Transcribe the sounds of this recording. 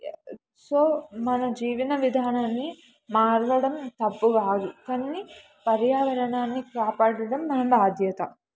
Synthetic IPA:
soːmɐnɐd͡ʒiːʋinɐʋid̪ʱaːnaːnːi | maːɾʋɐɽɐmt̪ɐpːuɡaːd̪ukɐnːi | pɐɾjaːʋɐɾɐɳaːnːikaːpaːɽɐɽɐmːɐnɐmbʱaːd̪ʱjɐt̪ɐ

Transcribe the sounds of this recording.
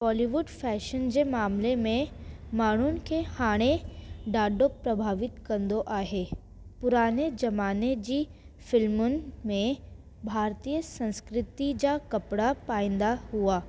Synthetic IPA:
ʋɔːliʋʊɖfʰɛːʃənd͡ʒemaːmlemẽ | maːɽ̤un̆kehaːɽ̃eɖaːɖopɾɐbʱaːʋɪt̪kɐnd̪oʔaːɦeː | pʊɾaːned͡ʒɐmaːned͡ʒi | fɪlmʊn̆mẽ | bʱaːɾt̪iːjəsɐ̃nskɾɪt̪id͡ʒakɐpɽapaːɪ̃nd̪aɦuaː

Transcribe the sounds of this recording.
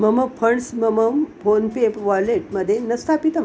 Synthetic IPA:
məməpʰəɳsməməmpʰonpepʋɔjleʈ̚məd̪ʱːjenəst̪ʰapit̪ə

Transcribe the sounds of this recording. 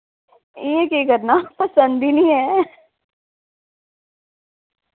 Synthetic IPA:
iẽkikəɾnapɐsə̃nd̪inĩɦɛ

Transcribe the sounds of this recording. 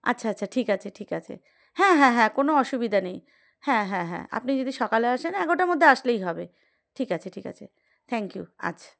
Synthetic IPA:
a̰tːɕʰaatːɕʰaʈʰikat͡ɕʰeʈʰikat͡ɕʰḛ | hɛ̃ɦɛ̃ɦɛ̃konoɔʃubid̪ʱanej | hɛ̃ɦɛ̃ɦɛ̰̃a̰pnid͡ʑod̪iʃɔkaleaʃenɛɡoʈaɾmod̪ʱːeaʃlejɦɔbe | ʈʰikat͡ɕʰeʈʰika̰t͡ɕʰḛ | t̪ʰɛŋkjṵa̰tːt͡ɕʰḁ

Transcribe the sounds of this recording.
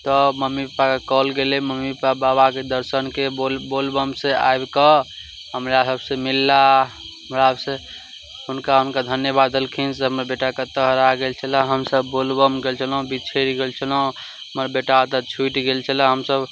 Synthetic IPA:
t̪ɔməmːipakekɔlɡelɛməmːipababaked̪əɾsənkeolbolbəmsea̰ebkə | ɦəmɾasəbsemilːa | əmɾaəbsẽ | ɦunkaɦunkad̪ʱənjəbad̪əlkʰinseɦəməɾbeʈaket̪əɦəɾaɡelt͡ʃʰələ̃ɦəmsəbːolbəmɡelt͡ʃʰələũbit͡ʃʰeɾiɡelt͡ʃʰələ̃ | ɦəməɾbeʈat̪ət͡ʃʰuʈɡelt͡ʃʰəlãɦəmsəb

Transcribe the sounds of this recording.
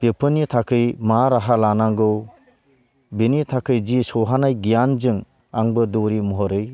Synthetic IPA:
bepʰɯnitʰakʰɯjmaɾaɦalanaŋɡɯw | binitʰakʰɯjd͡ʒisɔɦanajɡijanzɯŋ | aŋbɯdɔɾimɔɦɔɾɯj

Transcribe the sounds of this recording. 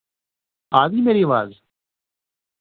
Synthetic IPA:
aːd̪imeɾiʋaːz

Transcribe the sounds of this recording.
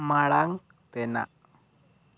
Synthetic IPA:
maɭaŋ | t̪ena̰ʔ

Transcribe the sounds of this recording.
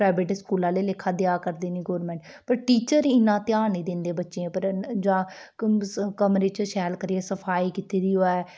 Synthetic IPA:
pɾaːɪbeːʈskuːlãːleːlɪkʰːaːd̪jaːkəɾd̪iːniːɡoːɾmɛ̃ːɳʈ | pəɾʈiːt͡ʃəɾɪnãːt̪jaːniːd̪ɪ̃nd̪eːbətːʃeẽːpəɾd͡ʒãː | kəmɾeːt͡ʃʃɛːlkəɾiɛːsəpʰaːiːkɪt̪iːd̪iːoɛː

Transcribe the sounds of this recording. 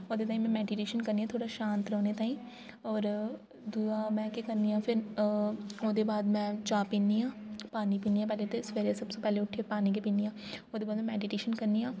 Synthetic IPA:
oːd̪et̪aːɦĩmɛ̃mɛːɖɪʈeːʃənkɐɾnijãt̪ʰoːɽaʃãːnt̪ɾoːnet̪aːĩː | ɔːɾ | d̪uamɛ̃ːkekɐɾnijãːpʰɪɾ | oːd̪ebaːd̪mɛ̃t͡ʃaːpĩːnijãːpaːnipiːnijãpɛːlet̪esʋeːɾesɐbsopɛːleʊʈʰːiɾpaːnik̬epiːnijãːoːd̪eːbaːd̪mɛ̃mɛːɖɪʈeːʃənkɐɾnijãː

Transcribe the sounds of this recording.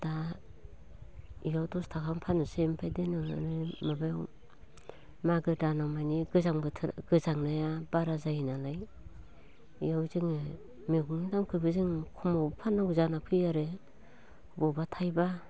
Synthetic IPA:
d̥a | ijawtɔstʰakʰampʰanɯsempʰajdenɯa̰ɾɯmabajw | maɡɯdanawmaniɡɯzaŋbɯɡɯzaŋnajabaɾazajinalaj | ijawziŋ | meɡuŋidamkʰɯbɯziŋkʰumawbpʰanawzanapʰɯjaɾe | bɔbatʰajba

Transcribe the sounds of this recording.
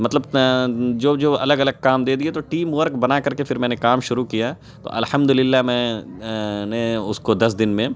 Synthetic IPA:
mɐt̪ləb | d͡ʒoːd͡ʒoːɐləɡɐləɡ̚kaːmd̪eːd̪iet̪oʈiːmʋəɾkbɐnakɐɾkefʰɪɾmɛ̃ːnekaːmʃʊɾukija | t̪o̰ːʔɐ̰lhɐmd̪ʊlɪlːamɛ̃ː | neʊskod̪ɐs̬d̪ɪnmẽː

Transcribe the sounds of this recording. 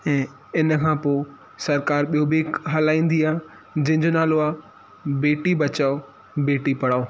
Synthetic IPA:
ɛ̃ː | ɪnəkʰãːpoː | sɐɾkaːɾɓijobeːkɦɐlaːĩːn̆d̪iaː | d͡ʑɐ̃ɦɪ̃ɲd͡ʑonaːloaː | beːʈibɐt͡ɕaːo | beːʈipɐɽaːoː

